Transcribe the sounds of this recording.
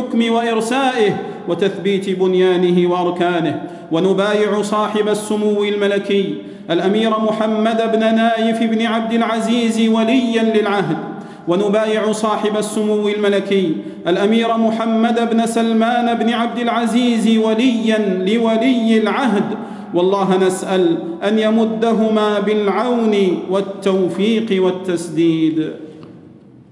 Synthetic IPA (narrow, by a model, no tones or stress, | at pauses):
ħʊkmɪwaʔɪɾsaːʔɪh | wat̪aθbiːt̪bʊnjaːnɪhɪwaʔɑɾˤkaːnɪh | wanʊbaːjɪʕʊsˤɑːħɪbasːʊmuwːɪlmalakɪj | ʔalʔamiːɾamʊħamːad̪abnanaːjɪfɪbnɪʕab̚d̪ɪlʕaziːzwalɪjːanlɪlʕaɦd̪ | wanʊbaːjɪʕʊsˤɑːħɪbasːʊmuwːɪlmalakɪjː | ʔalʔamiːɾamʊħamːad̪abnasalmaːnbnɪʕab̚d̪ɪlʕaziːzwalɪjːanlɪwalɪjːɪlʕaɦd̪ | wɑlˤːɑːɦanasʔalʔanjamʊd̪ːaɦʊmaːbɪlʕawnɪwat̪ːawfiːqɪwat̪ːasd̪iːd̪